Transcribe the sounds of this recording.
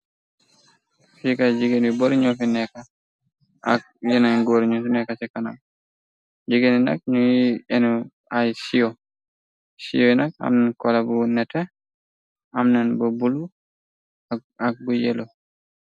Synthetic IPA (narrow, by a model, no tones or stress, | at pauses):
fikad͡ʒiɡeniboɾɲɔfinɛka | a̰k̚ | jɛnaɡoɾɲɔsinɛkat͡ʃɛkːana̰m | d͡ʒiɡenina̰k̚ɲujiɛn | ajsiɔ | sḭjɔnaka̰mnankɔlabunɛtɛ | amnanbɔbulu | ak̚ɡujɛlɔ